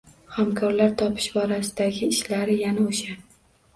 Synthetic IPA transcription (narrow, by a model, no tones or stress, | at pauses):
hamkʰɒɾlaɾt̪ʰɒpʰɪ̥ʃbɒɾasɪd̪aɡʲɪːʃlaɾɪjanaoʃa